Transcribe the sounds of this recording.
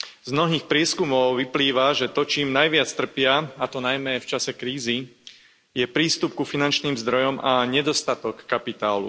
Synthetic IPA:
zmnɔɦiːxpɾɪɛskumɔʊʋipliːʋaʒɛt̪ɔt͡ʃiːmnajʋɪat͡st̪r̩pɪaat̪ɔnajmɛft͡ʃasɛkɾiːzi | jɛpɾiːst̪up̚kufinant͡ʃniːmzd̪ɾɔjɔmaɲɛd̪ɔst̪at̪ɔkːapit̪aːlṵ

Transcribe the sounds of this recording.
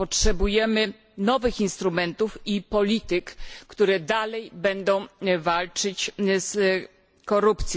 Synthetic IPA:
pɔtʂɛbujɛmɘ | nɔvɘxinst̪ɾumɛnt̪ufipɔlʲit̪ɘkːt̪uɾɛd̪alɛjbɛnd̪ɔ̃w̃valt͡ʂɘt͡ɕs | kɔɾupt̪sʲjɔ̃

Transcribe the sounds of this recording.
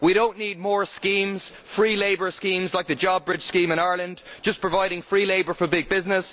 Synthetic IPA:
wiɾõʊ̃nniːd̚mɔːɹskĩːmz̥ | fɹiːleɪbə˞skĩːmzlaɪk̚ðəd͡ʒɑbɹɪd̥ʒ̥skĩːmɪ̃ñaɪɹlə̃nd͡ʒ̥ʌspʰɹ̥əvaɪɾɪ̃ŋfɹiːleɪbə˞fə˞bɪɡ̚bɪznɪs

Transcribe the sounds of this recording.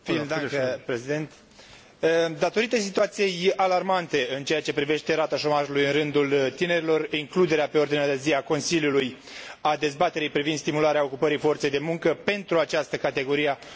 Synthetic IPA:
fid̪pɾesid̪ent̪ | d̪at̪o̞ɾit̪e̞s̬it̪uat̪sijejalarmant̪e̞ɨnt͡ʃe̞jat͡ʃe̞pɾive̞ʃt̪e̞ɾat̪aʃo̞maʒulujɨnrɨnd̪ult̪ine̞ɾilo̞riŋklud̪e̞ɾeape̞o̞rd̪inad̪e̞ziako̞nsiljuluj | ad̪e̞zbat̪e̞ɾijpɾivinst̪imulaɾeao̞kupəɾijfo̞rt̪se̞jd̪e̞muŋkəpe̞nt̪ɾuat͡ʃast̪əkat̪e̞ɡo̞ɾije

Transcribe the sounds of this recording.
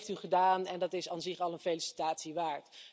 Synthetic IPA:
ftyχədaːnɛndɑtɪsanzɪχɑlˠənfejlisi̥taːtsiʋaːɹt

